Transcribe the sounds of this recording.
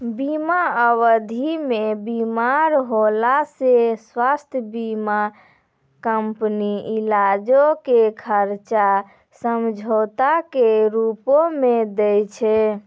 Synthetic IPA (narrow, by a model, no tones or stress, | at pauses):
bimaəwəd̪ʱimebimaɾɦolaseswast̪ʰjəbima | kəmpniilad͡ʒokekʰəɾt͡ʃa | səmd͡ʒʱot̪akeɾupomed̪ɛjt͡ʃʰɛ